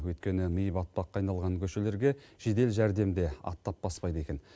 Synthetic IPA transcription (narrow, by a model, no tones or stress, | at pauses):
wɵjt̪kʲe̞nɪmijbɑt̪̚pɑqʰːɑjnɑlˠʁɑŋkʲʰɵʃe̞le̞ɾɡʲe̞ʒ̥ed̪e̞lʒæɾd̪e̞md̪e̞ɑ̰t̪ːɑp̚b̥ɑspɑjd̪əe̞kʲen